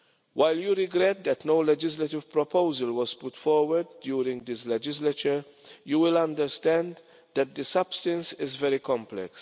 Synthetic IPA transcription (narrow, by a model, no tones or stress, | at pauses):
waɪljuɾɪɡɾɛt̪̚d̪ɛtnoʊlɛd͡ʒɪslətɪv̥pɹɔpoʊzəlwɔz̥pʊtfɔɹwəɾdːjuːɾɪ̃ŋd̪ɪslɛd͡ʒɪslət͡ʃəɹ | juwɪlãndəɾstɛ̃nd | d̪ɛt̪̚d̪əsʌb̥stə̃nsɪzvɛɾikɔ̃mplɛ̰ks